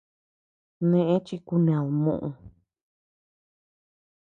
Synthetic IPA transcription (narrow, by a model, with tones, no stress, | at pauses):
nẽ˧ʔẽ˦t͡ʃi˧ku˧nẽ˨a˨lmṵ̃˦˧ʔũ˧